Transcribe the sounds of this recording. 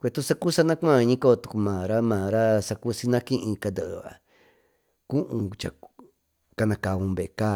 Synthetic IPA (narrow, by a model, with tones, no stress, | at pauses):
kʷe˧˨t̪u˦sa˦ku˦sa˦nã˦kʷã˦˧ɲĩ˦ko˦˧t̪u˧ku˧mã˨ɾa˦mãː˨ɾa˦sa˧ku˦si˧nã˦kĩ˦ʔĩ˧ka˧nd̪ɨ˨ʔa̰˨ | ku˦ʔũ˧t͡ʃa̰˨ | ka˧nã˧ka˨βũ˧βe˨˧kaː˦